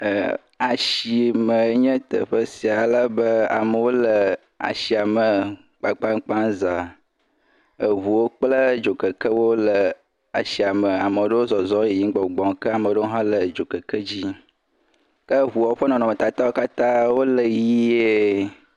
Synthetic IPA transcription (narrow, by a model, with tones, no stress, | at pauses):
a˨ʃi˨mə̃˨e˦ɲɛ̃˦t̪ə̰˨ɸə˦si˨a˨lə˦bə˦a̰˨mə˨wo˦lə˨ | a̰˨ʃi˨a˨mə˨ | k͡pa˨k͡pa˦ŋk͡pa˦nza˨ | ə˨βu˨wo˦k͡plə˦d͡ʒo˨kə˨kə˦wo˦lə˨ | a̰˨ʃi˨a˨mə˨a˨mə˨o˦ɖə˦wo˦zɔ˨zɔ˦e˨ji˦ŋ˦ɡ͡bɔ˨ɡ͡bɔ̃˨ŋkə˦a˨mə˨˦ɖə˦wo˦ɦã˦lə˨d͡ʒo˨kə˨kə˦d͡ʑi˦ | kə˦ɦu˨a˨˦ɸə˦nɔ̃˨nɔ̃˨mə˨t̪a˨t̪a˦wo˦ka˦t̪ã˦wo˦lə˨ji˦e˦